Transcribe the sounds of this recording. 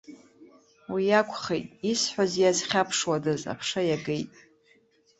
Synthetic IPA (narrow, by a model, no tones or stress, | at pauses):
wijakʷʰʼχejtʼisħʷazjazχʲapʰʂwadɨza̰pʰʂajaɡejtʼ